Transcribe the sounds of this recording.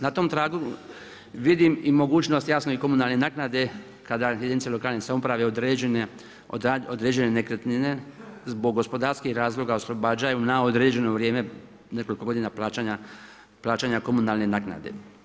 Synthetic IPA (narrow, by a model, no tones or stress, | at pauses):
nat̪o̞mt̪ɾaːɡu | ʋid̪imimo̞ɡuːt͡ʃnost̪jasnoiko̞munalˠne̞naknad̪e̞ | kad̪ajed̪init̪selo̞kaːlnesamopɾaʋeod̪ɾen | od̪ɾeːd͡ʒene̞ne̞kɾet̪nine̞zbo̞ɡːo̞spo̞d̪aːɾskihɾaːzlˠo̞ɡaoslˠo̞baːd͡ʒajunaod̪ɾeːd͡ʑe̞no̞ʋɾjeːme̞ | ne̞ko̞likoɡo̞d̪iːnapaaɲa | plˠaːt͡ʃaːɲako̞munalˠne̞naːkna̰d̪e̞̰